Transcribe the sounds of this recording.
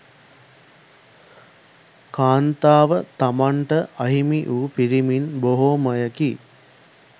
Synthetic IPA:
kaːnt̪aːʋət̪amaɳʈəʔɐɦimiʔuːpiɾiminboɦoːməjəki

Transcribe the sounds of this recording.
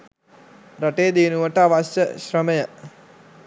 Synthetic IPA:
raʈeːd̪inuʋəʈəaʋaɕəɕrəməjə

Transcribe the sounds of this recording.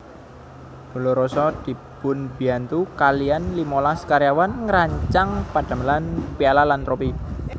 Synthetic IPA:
d̥o̤loɾɔsɔd̪̥i̤b̥ʊnbiant̪ukalijanlimolaskaɾjawanŋəɾaɲt͡ʃaŋpad̥a̤məlanpialalant̪ɾopi

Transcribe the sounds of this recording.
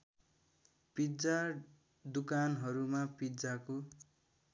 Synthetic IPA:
pid͡za | d̪ukanɦʌɾumapid͡zako

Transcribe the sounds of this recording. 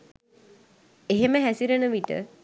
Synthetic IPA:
eɦeməɦæsiɾənəʋiʈə̰

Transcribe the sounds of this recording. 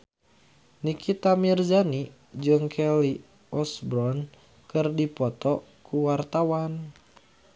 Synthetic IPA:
nikit̪amird͡ʒani | d͡ʒɨŋkʰɛli | ɔsbɾɔn | kɨrdipɔt̪ɔ | kuwart̪awan

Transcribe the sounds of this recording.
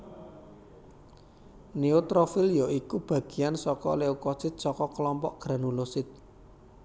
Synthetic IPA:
neot̪ɾofɪljɔikub̥ä̤ɡ̥i̤ansɔkɔ̰leukɔsɪt̪̚sɔkɔklɔmpɔʔɡ̥ɾanulosɪt̪̚

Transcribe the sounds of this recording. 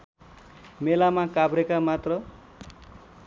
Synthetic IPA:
melamakabɾekamat̪rʌ

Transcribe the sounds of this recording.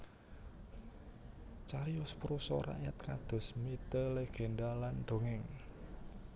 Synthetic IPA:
t͡ʃaɾiɔspɾusɔ̰ɾa̰ʔjat̪̚kad̪̥ɔ̤smit̪əleɡ̥e̤ndalanɖ̥o̤ŋɪŋ

